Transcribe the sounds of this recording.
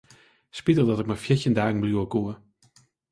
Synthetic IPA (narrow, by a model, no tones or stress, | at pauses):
spitəlˠdɔtɪk̚mafjɪçjəndaːɡŋ̩bljuəkuə